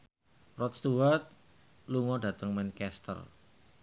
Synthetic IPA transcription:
rɔt̪̚st̪uwart̪̚ | luŋɔɖä̤t̪əŋmɛnkɛst̪ə̰r

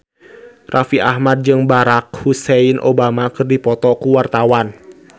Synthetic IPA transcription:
rʔafiʔahmad̚d͡ʒɨŋbaɾak̚huseinʔo̰bamakɨrdipɔt̪ɔkuwart̪awan

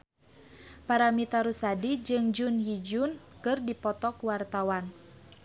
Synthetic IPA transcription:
paɾamit̪aɾusadid͡ʒɨŋd͡ʒunhid͡ʒunkɨrdipɔt̪ɔkwart̪awan

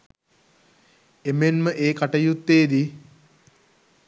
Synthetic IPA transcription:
emenməʔeːkaʈɐjut̪ːeːd̪i

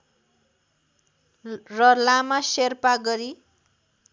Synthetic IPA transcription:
rʌlamaserpaɡʌɾi

